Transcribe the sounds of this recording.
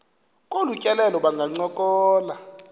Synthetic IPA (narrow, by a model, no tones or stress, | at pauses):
kʼolucʼɛlɛlɔɓaŋɡʱaŋ͡ǀɔkʼɔːla